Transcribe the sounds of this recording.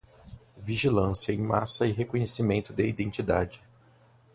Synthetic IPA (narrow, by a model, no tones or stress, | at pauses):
viʒilɐ̃sjɐẽj̃ma̰sɐɪɦekõɲesimẽnt̪ʊd̪ɪid̪ẽnt͡ʃid̪a̰d͡ʒɪ